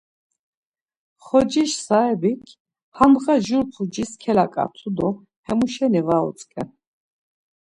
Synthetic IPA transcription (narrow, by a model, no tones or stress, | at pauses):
χɔd͡ʒiʃsaɛbikʰ | hamʁaʒuɾpʰud͡ʒiskʰɛlakʼa̰t̪ʰud̪ɔ | hɛmuʃɛnivaɔ̰t͡sʼkʼɛ̰n